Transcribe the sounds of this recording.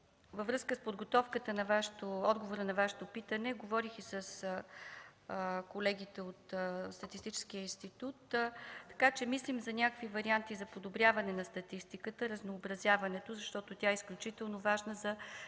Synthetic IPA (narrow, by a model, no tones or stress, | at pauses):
vəvɾɤskəspod̪ɡot̪ɔfkət̪ənɐvaʃɛ̥t̪oɔd̪ɡovoɾənɐvaʃɛ̥t̪opit̪ənɛɡovɔɾixisəs | kolɛɡit̪ɛot̪st̪ɐt̪ist̪it͡ʃɛ̥skijəinst̪it̪ut̪t̪ːɐ̥kat͡ʃɛmislimzɐnʲakvivɐɾiant̪izɐpod̪obɾʲjavɐnɛnɐst̪ɐt̪ist̪ikət̪əɾəznoːbɾɐzʲjavɐnɛt̪ozɐʃt̪ɔt̪otʲjaɛisklʲut͡ʃit̪ɛlˠnovaʒnəzɐ